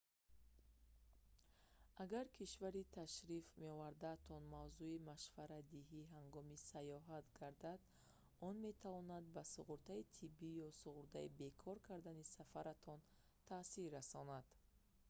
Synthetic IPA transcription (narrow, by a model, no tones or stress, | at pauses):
aɡaɾkʰiʃvaɾit̪ʰaʃɾifme̞ɔvaɾd̪aːt̪ʰɔnmavzuimaʃvaɾad̪iɦiɦaŋɡɔmisajɔɦat̪ɡaɾd̪ad̪ | ɔnme̞t̪ʰavɔnad̪basuʁuɾt̪ʰait̪ʰibːijɔsuʁuɾd̪aibe̞kʰɔɾkʰaɾd̪anisafaɾat̪ʰɔn | t̪ʰasiɾːasɔnad̪̥